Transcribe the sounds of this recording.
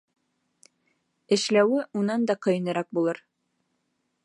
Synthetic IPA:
ɘ̆ʃlæwɘʔunɑnd̪ɑqɤ̆jɤ̆nɤ̆ɾɑk̚bulˠɤɾ

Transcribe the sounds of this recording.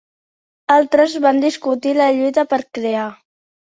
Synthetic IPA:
alˠt̪ɾəzβand̪iskut̪iləʎujt̪əpəɾkɾea

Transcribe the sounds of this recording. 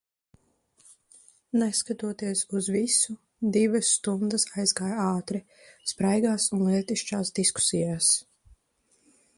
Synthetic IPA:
nɛskat̪uɔt̪iɛsuzvisu | d̪ivɐsːt̪und̪ɨsajzɡaːjaːt̪ɾi | spɾajɡaːsunlˠiɛt̪iʃt͡ʃaːsd̪isku̥sijaːs

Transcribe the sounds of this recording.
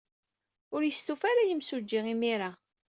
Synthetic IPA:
ʊɾjəst̪ufaɾajəmsud͡ʒːiʁimiɾa

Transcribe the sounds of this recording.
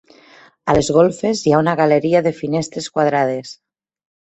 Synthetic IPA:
alezɣ̞olˠfezjaunaɣaleɾiaðefinest̪ɾeskwað̞ɾað̞es

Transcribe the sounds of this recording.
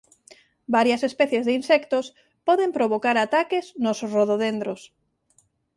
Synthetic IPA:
baɾjasespɛθjezðɪinsɛkt̪os | pɔðempɾoβ̞okaɾat̪akeznosroðoðend̪ɾos

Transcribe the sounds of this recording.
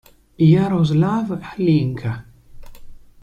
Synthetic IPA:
jaɾozlavħliŋkʰa

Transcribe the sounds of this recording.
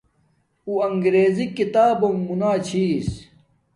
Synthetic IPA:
uɐŋɡɾeːzikit̪aːbɐmːunaːt͡ɕʰiːs

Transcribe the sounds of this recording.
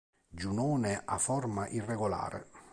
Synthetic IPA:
d͡ʒunɔːnɪʔafɔrmaʔirːeɡola̰ːɾɪ̰

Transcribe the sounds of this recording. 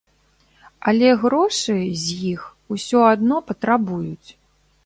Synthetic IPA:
ɐlʲɛɣɾɔʂɨzʲjix | usʲɔad̪nɔpɐt̪ɾabujut͡sʲ

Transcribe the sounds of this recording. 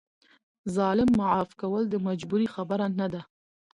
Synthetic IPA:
zɑlɪmːaʕɑfkawəld̪əmad͡ʒbuɾixabaɾanad̪a

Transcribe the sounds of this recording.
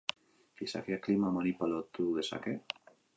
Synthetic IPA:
fisa̰keaklimamanipalot̪uðesa̰ke

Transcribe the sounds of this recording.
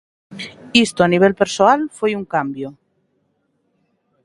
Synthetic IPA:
ist̪oaniβ̞elpeɾsoalfwejuŋkambjo

